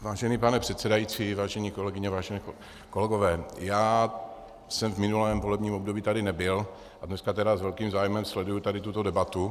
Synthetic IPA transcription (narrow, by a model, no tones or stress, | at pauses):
vaːʒɛniːpanɛpr̥ɛt̪sɛdajit͡sivaːʒɛɲiːko̞lɛɡɪɲɛvaːʒɛnɛ | ko̞lɛɡovɛːjaː | sɛmvmɪnulɛːmvolɛbɲiːmo̞bdobiːt̪adɪnɛbɪl | ʔadnɛskat̪ɛɾazvɛlkiːmzaːjmɛmslɛdujut̪adɪt̪ut̪o̞dɛbat̪u